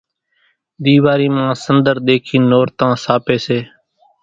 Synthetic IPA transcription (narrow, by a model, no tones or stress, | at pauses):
d̪iːʋaːɾiːmãːsənd̪əɾd̪eːkʰiːnoːɾt̪ãːsaːpeːseː